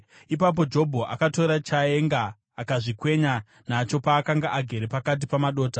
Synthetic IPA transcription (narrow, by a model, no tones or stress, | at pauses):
ipap̬o̞d͡ʒo̞bʱo̞ʔakato̞ɾat͡ʃaeŋɡaː | kaʐikwe̞ɲa | nat͡ʃo̞paːkaŋɡaʔaɡʱe̞ɾepakat̬ipamaɗo̞ːta